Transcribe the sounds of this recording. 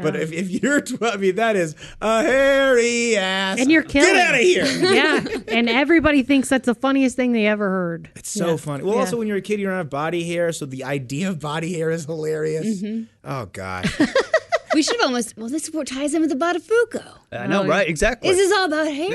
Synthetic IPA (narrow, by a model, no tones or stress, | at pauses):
b̥ʌɾɪfɪfjə˞tʰɛmiðɨɾɪz | ʔəhɛɹiæsɨ̃njə˞kʰɪɡɛɾaʊɾɨhiɹjæɨ̃nɛvɹibɑɾiθɪ̃ŋksðætsðəfʌniɨs̚θɪ̃ŋðeɪɛvə˞hɜ˞d̥ɨtsoʊfʌniwɛlˠɔlsoʊwɨ̃njə˞ɨkʰɪd̚jə˞ãnʌvbɑɾihiɹsoʊðiaɪdiɨʌvbɑɾihiɹɨz̥həlɛɹiɨsm̩ʔo̰ʊɡ̥ɑ̰ʃ | wiʃʊɾɨvɔlˠmoʊst̚wɛlˠðɪsə̥pʰɔɹtʰaɪzɨ̃mʌðəbɑɾɨəfoʊkoʊaɪnoʊɹaɪtɨɡzæk̚tˡɪizɪs̬ɔlˠəbaʊt̚hɛ